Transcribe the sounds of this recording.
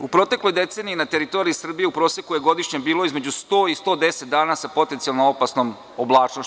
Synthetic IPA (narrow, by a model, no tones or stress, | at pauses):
upɾo̞t̪e̞klo̞jd̪e̞t̪seːniinat̪e̞ɾit̪o̞ɾiisr̩bije̞upɾo̞ːsje̞kuje̞ɡo̞d̪iʃɲebiːlo̞izmed͡ʑust̪oːist̪od̪e̞set̪̚d̪aːnasapo̞t̪ent̪sialnoopasnom | oblˠaːt͡ʃno